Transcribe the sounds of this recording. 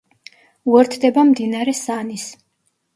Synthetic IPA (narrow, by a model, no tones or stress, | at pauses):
uɛɾt̪ʰd̪ɛbamd̪inaɾɛsanis